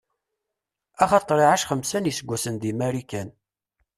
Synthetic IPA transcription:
æχɑt̪ˤːɾˤiʕaʃχəmsænjəsəɡʷːæsənd̪imæɾikæn

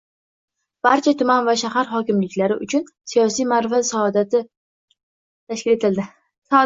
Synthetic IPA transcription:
b̥aɾt͡ʃʰat̪ʰʊmanvaʃaɦaɾɦɒkʲɪmlɪkʲlaɾɪʔʊ̰t͡ʃʰʊn | sijɒs̬ijmaɾfasd̪at̪ɪ | t̪ʰaʃkʲɪle̞t̪ʰɪld̪ɪ

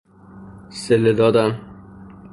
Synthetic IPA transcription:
selːed̪ɒːd̪æm

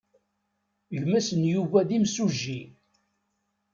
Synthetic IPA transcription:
ʝmæsənjuvæðimsuʒːi

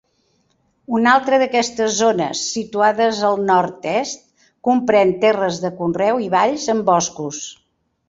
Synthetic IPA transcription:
unalˠt̪ɾəðəkɛst̪əzːonə̰sːit̪uaðəzəlˠnɔɾt̪ɛst̪̚ | kumpɾɛnt̪ɛrəzðəkunrɛwiβaʎzəmbɔskus

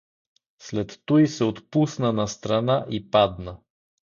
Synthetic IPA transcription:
slɛt̪ːujsɛot̪pusnənɐst̪ɾɐnaʔipad̪nə

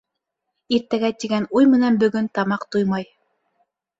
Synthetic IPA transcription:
iɾt̪æɡæt̪iɡænujmɘ̆nænbɵ̆ɡɵnt̪ɑmɑqt̪ujmɑj

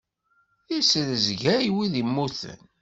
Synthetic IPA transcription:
isəðəzʝæjwiðimːuθə̰n

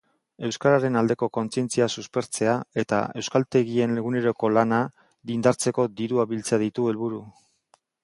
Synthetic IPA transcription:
e̞wskaɾaɾe̞nald̪e̞ko̞ko̞nt͡sie̞nt͡siasuspe̞ɾt͡se̞ae̞t̪a̰e̞wskalt̪e̞ɣie̞nle̞ɣ̞une̞ɾo̞ko̞lana | ðind̪aɾt͡se̞ko̞d̪iɾuaβilt͡saaðit̪ue̞lβuɾu

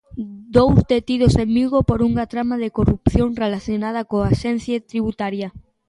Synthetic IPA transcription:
d̪owst̪et̪iðosemmiɣopoɾuŋat̪ɾamaðekorupθjoŋrelaθjonað̞ɐkoaʃen̟θjat̪ɾiβut̪aɾjɐ

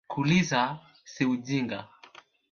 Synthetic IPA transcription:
kʰuliza | siud͡ʒiŋɡa̰

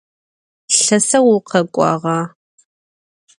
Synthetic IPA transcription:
ɬɐsɐwʊqʰɐkʷʼɑ̰ːʁɑː

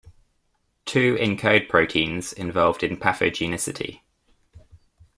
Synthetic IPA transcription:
tʰʉːʔɪ̃nkʰəʊd̚pʰɹ̥əʊtʰĩːnz̥ɪ̃ɱvɒlˠvdɪ̃npʰafə̰d͡ʒinɪsɪtʰḭ

